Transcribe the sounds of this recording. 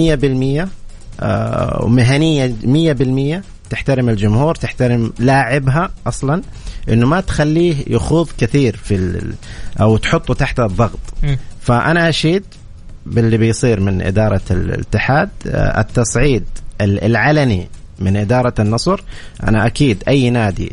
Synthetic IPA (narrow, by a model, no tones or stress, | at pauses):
ɪjːabɪlmɪjːa̰ | wmɪɦanɪjːamɪjːabɪlmɪjːa | t̪ɪħt̪aɾɪmɪld͡ʒʊmhuːɾt̪ɪħt̪aɾɪmlaːʕɪbɦaʔɑsˤlɑn | ʔɪ̰nːʊmat̪xalːiːhja̰xuːðˤkɪθiːɾfi | ʔawt̪ħʊt̪ˤːut̪aħt̪aðˤːɑɣt̪ˤfaʔanaʔaʃiːd̪ | bɪlːibɪjsˤiːɾmɪnʔɪ̰d̪ɑːɾˤɑlɪ̰t̪ːɪħaːd̪ʔɪ̰t̪ːɑsˤʕiːd̪̚lʕalamimɪnʔɪd̪ɑːɾˤɑnːɑsˤɾʔa̰naʔakiːd̪ʔajːnaːd̪ḭ